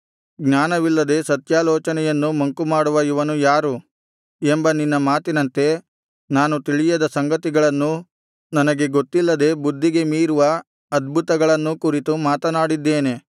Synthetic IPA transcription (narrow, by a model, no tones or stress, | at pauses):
ɡnaːnɐʋilːɐd̪e̞sɐt̪jaːlɔːt͡ʃɐnɛjɐnːumɐŋkumaːɽuʋɐiʋɐnujaːɾu | embɐninːɐmaːt̪inɐnt̪e̞ | naːnut̪iɭijɐd̪ɐsɐŋɡɐt̪iɡɐɭɐnːu | nɐnɐɡe̞ɡot̪ːilːɐd̪e̞bud̪ʱːiɡe̞miːɾuʋɐ | ɐd̪bʱut̪ɐɡɐɭɐnːukuɾit̪umaːt̪ɐnaːɽid̪ːeːne̞